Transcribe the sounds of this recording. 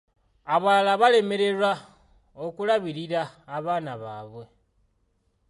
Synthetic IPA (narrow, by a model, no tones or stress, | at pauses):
aβalaβale̞me̞ɾe̞rwa | okulaβiɾiɾaːβaːnaβaːβwe̞